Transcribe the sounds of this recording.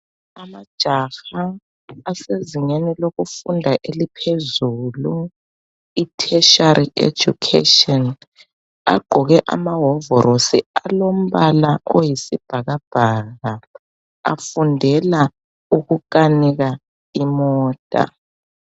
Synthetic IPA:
amad̥ʒ̥ʱaxaː | seziŋeniloɣufundʱaʔelipʰezuːlu | itʰɛʃaɾiḛ̥d͡ʒ̥ṵkʰḛtɔn | a̰ɡ͡ǃ̥ʱɔɣɛʔa̰maɦɔvɔɾosḭalom̩βalaojisib̥ʱaɣab̥ʱaːɣa | a̰fundʱɛla | uɣukaniɣa | imɔːtʼa̰

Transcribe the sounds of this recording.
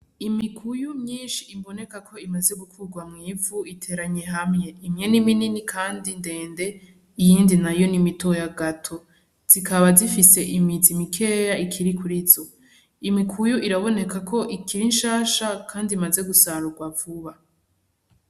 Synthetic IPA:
imikʰujumɲiːnʃiːmbo̞ne̞kakʰo̞imaze̞ɡukʰuɡwamŋiːvuitʰe̞ːɾaɲe̞ɦamŋe̞imɲe̞nimininikʰaːndinde̞ːnde̞ | ijiːndinajo̞nimitojaɡatʰo̞ | z̥ikʰaβazifise̞ʔimizimikʰe̞jaikʰiɾikʰuɾizo | imikʰujuʔiɾaβo̞ne̞kakʰo̞ʔikʰiɾinʃaːʃakʰaːndimaze̞ɡusaɾuɡwavuβa

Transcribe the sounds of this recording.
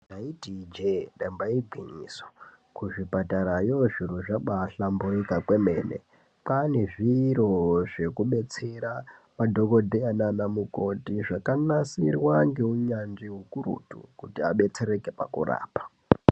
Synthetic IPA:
ndaitid͡ʒedaimbaiiɡʱwiɲḭso̥ | kuʐipataɾajoʐiruʐaɓaɬamboikakwe̞meːnḛ | pane̞ʐiɾo̞ʐe̞kuɓe̞t͡seɾa | madʱo̞ko̞dʱeananamukotiʐakanasirwaŋɡe̞uɲand͡ʒiɦukuɾṵtṵkutiaɓe̞t͡se̞ɾe̞kepa̰kṵra̰ːpḁ

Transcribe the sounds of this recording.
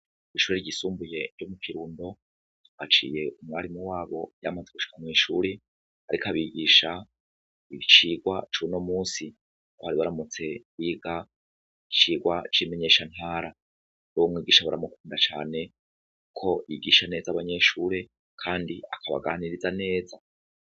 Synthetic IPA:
iʃuːɾeɾɟisuːmbuje̞ɾɟomukiɾuːndo̞ | at͡ʃḭːje̞umŋaɾimuwaːβo̞ja̰mazeɡuʃi̥kamwiːʃuːɾe | aɾikaβiɡiːʃa | iβit͡ʃiːɡwat͡ʃuno̞muːsi | kohaɾiβaɾamut͡se̞wiːɡa | it͡ʃiːɡwat͡ʃime̞ɲe̞ːʃan̥haːɾa | nowomŋiːɡiːʃaβuɾa̰mokuːndat͡ʃa̰ːne̞ | ukʰo̞ʔiɡiːʃane̞ːzaβaɲe̞ʃuːɾe̞ | kʰaːndiakaβa̰ɡaːniɾizane̞ːza

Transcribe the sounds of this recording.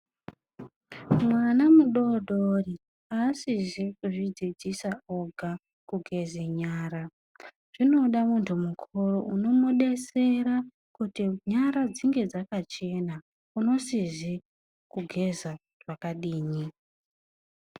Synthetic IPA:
mwanamuɗo̞ɗʱori | aːsizikuʐid͡zid͡zisaoɡʱa | kuɡʱe̞zeɲaːɾa | ʐ̥ino̞ɗamuntʰumukʰoroʔuno̞muɗe̞se̞ɾa | kutiɲaɾad͡ziŋɡe̞d͡zakat͡ʃe̞na | uno̞sizi | kuɡʱe̞za | ʐ̥akaɗiːɲi

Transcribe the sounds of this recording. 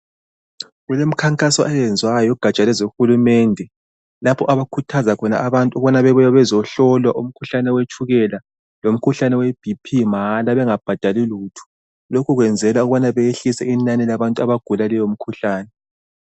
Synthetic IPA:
ɣulem̩kʰaŋkʼasɔʔɛjɛnd͡zʱwajɔɡ̥ʱat͡ʃʼalɛzoxulumɛndʱɛ | lapʰɔʔaβakʰutʰazakʰɔna̰ːβantʼuɣuβanaβɛβɔjaβɛzɔɬɔlwaʔum̩kʰuɬanɛwet͡ʃʰʼuɣɛla | lom̩kʰuɬanɛwɛb̥ʱipʰimalaβɛŋab̥ʱad̥ʱaliluːtʰu̥ | lokʰuɣwɛnd͡zʱɛlauɣuβanaβɛjeɬisɛinanilaβantʼuaβaɡ̥ʱulalɛjom̩kʰuɬaːnɛ

